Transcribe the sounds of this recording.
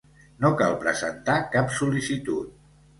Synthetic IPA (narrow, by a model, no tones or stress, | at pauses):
noka̰lˠpɾə̰zə̰nt̪akapsulisit̪ut̪